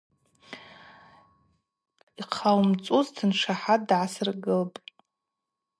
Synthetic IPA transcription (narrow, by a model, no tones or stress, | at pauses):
iqʰawmt͡sʼuztʰɨnʂaħadʕasɨrɡɨlpʼ